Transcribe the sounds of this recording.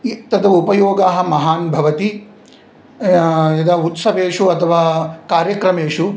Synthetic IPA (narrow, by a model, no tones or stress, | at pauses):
it̪ɐd̪ɐupɐjoːɡaːɦɐ̆mɐɦaːnbʱɐʋɐt̪i | ɐd̪aut̪sɐʋeːʂuɐt̪ʰɐʋaːkaːɾjɐkɾɐmeːʂu